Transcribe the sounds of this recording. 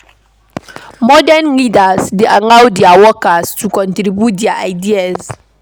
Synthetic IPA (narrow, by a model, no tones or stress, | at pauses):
mɔdɛnlidasdeʔaŋãwdiawɔkastʰukɔ̃ntɾibjut̚diaajdiaz